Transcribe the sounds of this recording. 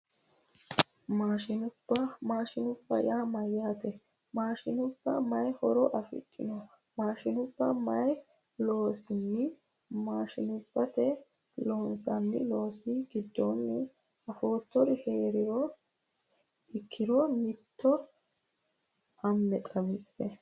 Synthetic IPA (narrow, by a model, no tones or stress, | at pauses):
maːʃɪnʊb̥ːɐmaːʃɪnʊbːɐ̰jaːmɐjːaːt̪ɛ | maːʃɪnʊbːɐmɐjhɔɾɔʔɐfɪ̰kʼːɪnɔ | maːʃɪnʊbːɐmɐj | lo̞ːsɪnːɪ | maːʃɪnʊbːɐt̪ɛ | lo̞ːnsɐnːɪlo̞ːsiɡɪd̪ːonːɪ | ɐfo̞ːt̪ːɔɾhe̞ːɾɪɾɔ | ɪkʰːɪɾɔmɪt̪ːɔ | ʔɐmːɛtʼɐbɪsːɛ